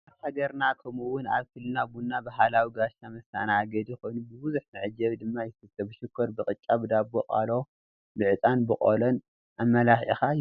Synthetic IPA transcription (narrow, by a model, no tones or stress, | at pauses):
ahaɡɐɾnakʰɐmuwʊna̰βfɨlːɨnaɡunːabaɦalawiɡaʃamɐst̪a̰naːɡɐd̪ixo̞jnubɨbuzuħnɨʕɨd͡ʒːɐβd̪ɨmːajɪfɨt̪ʼːɐbɨʃɪkʰːɐɾbɨqʼɨt͡ʃʼːaβɨd̪abɡoqʼa̰lo | bɨʕɨt͡sʼanbɨχʼo̰lɐn | ʔamːɐlaxixa